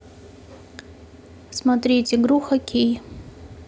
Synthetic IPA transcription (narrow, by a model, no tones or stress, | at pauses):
smɐat̪ɾʲitʲɪɡɾuxɐkʲej